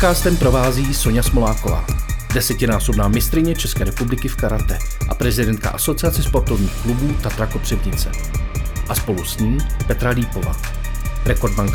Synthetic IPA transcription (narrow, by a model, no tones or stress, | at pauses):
kaːst̪ɛmpɾo̞vaːziːso̞ɲasmolaːko̞va̰ːdɛsɛcɪnaːso̞bnaːmɪst̪ɾɪɲɛt͡ʃɛskɛːɾɛpublɪkɪfkaɾat̪ɛʔapɾɛzɪdɛnt̪ka̰ʔaso̞t͡sɪat͡sɛspo̞ɾt̪ovɲiːxklubuːt̪at̪ɾako̞pr̥ɪbɲɪt͡sɛ | ʔaspo̞lusɲiːmpɛt̪ɾaliːpo̞va̰ | ɾɛkoɾdmaŋk